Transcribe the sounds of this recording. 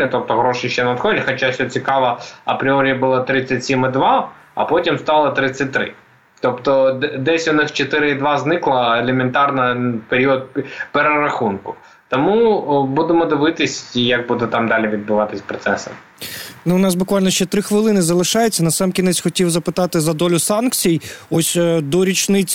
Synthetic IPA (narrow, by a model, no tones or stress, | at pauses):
t̪ɔp̚t̪ɔɦɾɔʃɪʃt͡ʃɛnɐt̪xɔdʲɪxɔt͡ʃasʲɔt͡sʲikɑʋɐɐpɾʲɪɔɾʲijɐbʊlˠat̪ɾɪt͡sʲːɐtʲsʲimɪd̪ʋɑ | ɐ̰pɔtʲimst̪ɑlˠɐt̪ɾɪt͡sʲːɐt̚ʲt̪ːɾɪ̰ | t̪ɔpt̪ɔd̪ɛsʲʊnɪxt͡ʃet̪ɪɾɪid̪ʋɑznɪklˠɐelʲement̪ɑrnɐpeɾʲiɔd̪̚ʲpeɾeɾɐxunkʊ | t̪ɔmubud̪emɔd̪ɪʋɪt̪ɪsʲjɐk̚bud̪ɛt̪ɑmd̪ɑlʲiʋʲid̪̚bʊʋɑt̪ɪsʲpɾɔt̪sɛsɐ̰m | nuʊnɑs̬bʊkʋɑlʲnɔʃt͡ʃɛt̪ɾɪxʋɪlˠɪnɪzɐlˠɪʃɑjet͡sʲːɐnɐsɑmkʲinɛt͡sʲxɔtʲiwzɐpɪt̪ɑt̪ɪzɐd̪ɔlʲʊsɑnkt͡sʲijɔsʲd̪ɔɾʲit͡ʃnɪt͡sʲ